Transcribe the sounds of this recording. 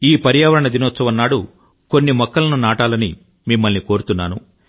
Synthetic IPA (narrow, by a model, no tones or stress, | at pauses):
iːpɐɾijaːʋɐɾɐɳɐd̪inɔːt̪sɐʋɐnːaːɽu | ko̞nːimɔkːɐlɐnunaːʈaːlɐni | mimːɐlniko̞ːɾut̪unːaːnṵ